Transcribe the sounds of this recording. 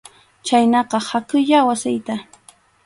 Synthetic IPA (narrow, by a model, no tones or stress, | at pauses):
t͡ʃajnɑqɑhakʊʎawasɪjt̪a